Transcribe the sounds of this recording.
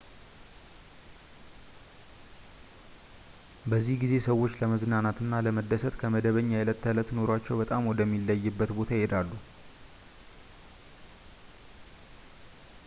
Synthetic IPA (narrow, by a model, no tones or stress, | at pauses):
bəzːihɡize̞səwo̞t͡ʃːləməznanat̪ɨnːaləməd̪ːəsət̪kʰəməd̪əβəɲːajɪlət̪ːələt̪no̞ɾat͡ʃːɛwbət̪ʼamwɔd̪əmːilːəjːɨbːət̪bo̞t̪ʰajhed̪alːu